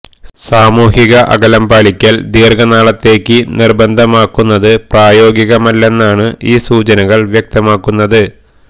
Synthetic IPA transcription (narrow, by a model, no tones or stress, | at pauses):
saːmuːhiɣɐʔɐ̰ɡɐlɐmbaːɭikʲːɐld̪iːrɡɐnaːɭɐt̪ːe̞ːkʲːɨnirbɐnd̪ʱɐmaːkːunːɐðɨpraːjo̞ːɡiɣɐmɐlːe̞nːaːɳɨʔiːsuːt͡ɕɐnɐɣɐɭʋjɐk̚t̪ɐmaːkːunːɐðɨ